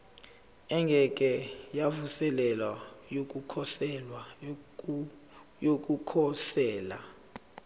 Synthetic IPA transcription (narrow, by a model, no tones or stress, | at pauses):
ɛŋɡʱɛkʼɛjavusɛlɛlajok̬ʼukʰɔsɛlwa | jok̬ʼukʰɔɬɛːla̰